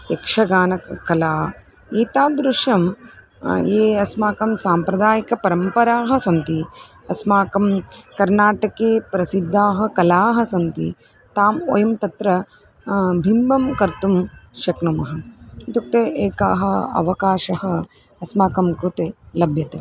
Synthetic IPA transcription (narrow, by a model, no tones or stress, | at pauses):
ekʂɐɡaːnɐkɐlaː | iːt̪aːd̪ɾuʂjɐm | eːɐsmaːkɐmsaːmpɾɐd̪aːjɐkɐpɐɾɐmpɐɾaːɦɐ̆sɐnt̪i | ɐsmaːkɐmkɐɾnaːʈɐkeːpɾɐsid̪ʱːaːɦɐ̆kɐlaːɦɐ̆sɐnt̪ḭ | t̪aːmo̰jɐmt̪ɐt̪ɾɐ | bʱimbʱɐmkɐɾt̪umʃɐknumɐɦɐt̪ukt̪eːʔeːka̰ːɦɐɐ̰ʋɐkaːʃɐɦɐ̆ | ɐsmaːkɐmkɾut̪eːlɐbʱjɐt̪e